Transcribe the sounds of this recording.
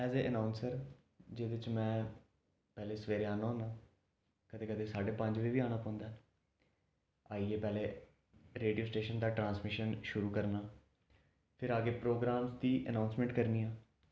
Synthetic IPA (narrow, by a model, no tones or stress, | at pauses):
ɛːzeːʔənãːʊnsəɾ | d͡ʒeːd̪ɪt͡ʃmɛ̃ː | pɛːleːsəʋeːɾeːaːnãːnaː | kəd̪eːkəd̪eːsaːɖeːpə̃ɲd͡ʒʋiːʋiːaːɽ̃aːpɔ̃ːnd̪aː | aːiːeːpɛːleː | ɾeːɖioːsʈeːʃənd̪aːʈɾãːnsmɪʃənʃʊɾuːkəɾnaː | pʰɪɾaːɡeːpɾoːɡɾaːmsd̪iːʔə̰nãːʊnsmɛ̃ːɳʈkəɾniːãː